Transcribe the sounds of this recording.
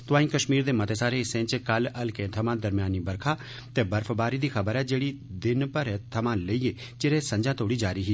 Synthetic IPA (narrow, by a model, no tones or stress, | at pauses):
t̪ʊʋãːĩːkəʃmiːɾd̪eːmət̪eːsaːɾeːsẽːt͡ʃkələlkẽːt̪ʰəmãːd̪əɾmjaːniːbəɾkʰaː | t̪eːbəɾpʰbaːɾiːd̪iːxʰəbəɾɛːd͡ʒeːɽiːd̪ɪnpəɾt̪ʰəmãːləiːeː | t͡ʃɪɾeːsə̃ɲd͡ʒãːt̪oːɽiːd͡ʒaːɾiːɦiː